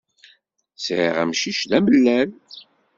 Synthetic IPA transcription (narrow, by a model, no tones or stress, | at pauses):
sʕḭʁæ̰mʃiʃðæməlːæl